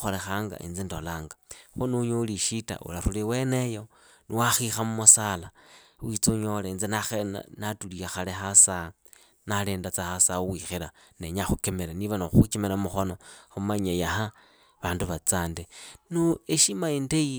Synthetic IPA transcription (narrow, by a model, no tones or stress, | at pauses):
xolexaːŋɡa̰ʔḭnd͡zindolaːŋɡḁxonuɲoliʃita̰ʔṵlaɾuliwenejo̞ | niwaxixamumusalawit͡suɲolend͡zinaxḛnatuliaxalexasa | naleːndat͡saxasauwixiɾaneɲaxukemeɾeniβanoxut͡ʃimeɾamuxono̞xumaɲejaha | βaːnduβat͡saːndenueʃimaindei